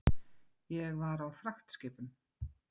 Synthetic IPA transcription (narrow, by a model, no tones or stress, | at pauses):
jɛɣvaɾawfɾaxt̪scɪːpʏm